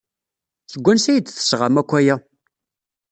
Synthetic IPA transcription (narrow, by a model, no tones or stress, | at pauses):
θəɡʷːænsæjəd̪θə̥sʁamækʷːæjæ